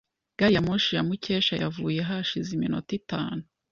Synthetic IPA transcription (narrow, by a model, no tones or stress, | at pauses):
ɡ̥aɾijamoʃijamuce̞ːʃaja̰vuːje̞ɦaʃizimino̰titaːnu